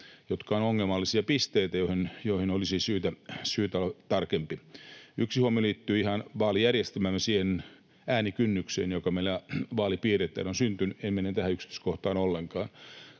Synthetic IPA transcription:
jot̪kɑonoŋːelmɑlːisiɑpist̪eit̪æjohinjoihinolisisyːt̪æsyːt̪æt̪ɑrkempiyksihuomioliːt̪ːyːihɑnʋɑːlijærjest̪æmæːmːæsiːhen | æːnikynːyksḛːnjokɑmeilæʋɑːlipiːret̪ːæ̰ːnonsynt̪ynyemmenent̪æhæyksi̥t̪yˑskoht̪ɑːnolːeŋkɑːn

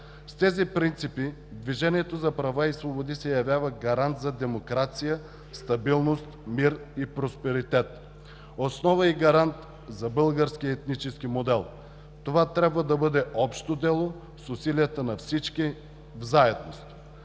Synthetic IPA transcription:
st̪ɛzipɾint̪sipi | d̪viʒɛniɛt̪ozɐpɾɐvaisvobod̪isɛjɐvʲjavəɡɐɾant̪zɐd̪ɛmokɾat̪sijə | st̪ɐbilˠnost̪miɾipɾospɛɾit̪ɛt̪ | osnɔvəiɡɐɾant̪ | zɐbɤlˠɡəɾskʲiɛt̪nit͡ʃɛskimod̪ɛlˠ | t̪ovat̪ɾʲabvəd̪ɐbɤd̪ɛɔpʃt̪od̪ɛlˠo | sʊsilijət̪ənɐfsit͡ʃki | vzaɛd̪nost̪

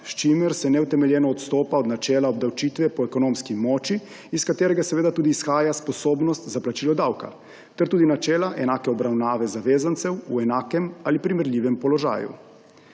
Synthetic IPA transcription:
ʃt͡ʃimɛɾsɛnɛwt̪ɛmɛljɛːnɔːt̪st̪oːpaɔd̪nat͡ʃɛːlaɔb̚d̪awt͡ʃiːt̪ʋɛpɔɛkɔnomskimɔːt͡ʃiː | skat̪eːɾɛɡasɛʋeːd̪at̪uːd̪iːsxaːjaspɔsoːbnɔst̪zaplat͡ʃiːlɔd̪awka̰ | t̪ɛɾt̪uːd̪inat͡ʃɛːlaʔɛnaːkɛɔbɾawnaːʋɛzaʋeːzant̪sɛwuɛnaːkɛmalipɾimɛɾlʲiːʋɛmpɔlɔʒa̰ːjṵ

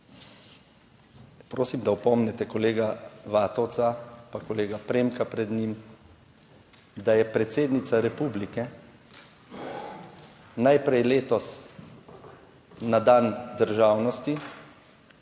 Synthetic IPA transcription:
pɾoːsimd̪aɔpɔmnɛt̪ɛkɔleːɡaʋaːt̪ɔwt̪sapakɔleːɡapɾeːmkapɾɛd̪ɲim | d̪ajɛpɾɛt̪seːd̪nit̪saɾɛpublikɛ | najpɾɛjleːt̪ɔs | ad̪and̪əɾʒaːwnɔst̪i

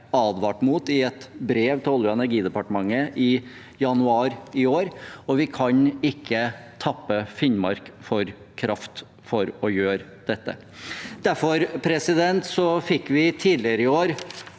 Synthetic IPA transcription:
ɑːd̪ʋɑːʈmuːt̪ɪɛt̪bɾeːʋt̪ʰɔljʊɛnæɾɡiːd̪ɛpɑʈəmɑŋːəʔɪ | jɑnʉɑːɾɪoːɾɔʋɪkʰɑɲɪkʰːət̪ʰɑpːəfɪnmɑ̰ɾkfɔɾ | kʰɾʔɑft̪ | fɔɾɔjøːɾ | d̪̥ɛt̪ːə̰ | d̪̥æɾfɔɾpʰɾɛsɪd̪ɛnt̪sɔfɪkːʋɪt̪ʰiːd̪lɪəɾəɪoːɾ

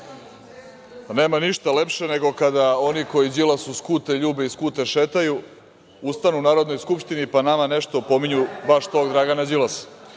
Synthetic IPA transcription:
neːmaniʃt̪ale̞pʃe̞ne̞ɡo̞kad̪ao̞niko̞jid͡ʑilasuskut̪eʎuːbe̞iskuːt̪e̞ʃet̪aju | ust̪anunaːɾo̞d̪nojskupʃt̪inipanamane̞ʃt̪opo̞miɲuʋaʃt̪o̞ːɡd̪ɾaːɡanad͡ʑilˠas

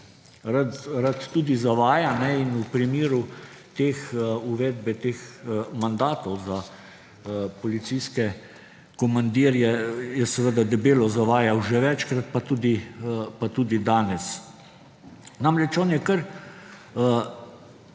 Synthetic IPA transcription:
ɾat̪ɾat̪ːuːd̪izaʋaːjanɛinupɾimiːɾu | t̪eːxuʋɛːd̪bɛt̪eːxmand̪aːt̪ɔwza | pɔlit̪siskɛ | kɔmand̪iːɾjɛjɛsɛʋəd̪ad̪ɛbeːlɔzaʋaːjawʒɛʋɛt͡ʃkɾat̪̚pat̪uːd̪ipat̪uːd̪id̪aːnɛs | namɾɛt͡ʃɔːnjɛkəɾ

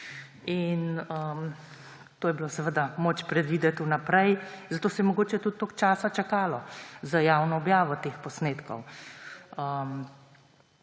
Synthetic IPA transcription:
inəm | t̪oːjɛbilosɛʋəd̪amoːt͡ʃpɾɛd̪ʋiːd̪ɛt̪unapɾɛjzat̪oːsɛjɛmɔɡoːt͡ʃɛt̪ut̪ːoːkt͡ʃaːsat͡ʃakaːlɔzajaːwnɔːbjaːʋɔt̪eːxpɔsneːt̪kɔ̰w | əm

